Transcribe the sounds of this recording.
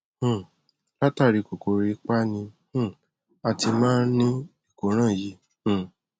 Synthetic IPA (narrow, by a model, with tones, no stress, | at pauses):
la˦ta˦˨ɾi˨˧ko˨ko˨˦ɾi˧˦k͡pa˦nĩ˧hũ˦ | a˧ti˧mãː˦nĩ˦i˦˨ko˨˦ɾ̃ãː˦˨jĩ˧˦˨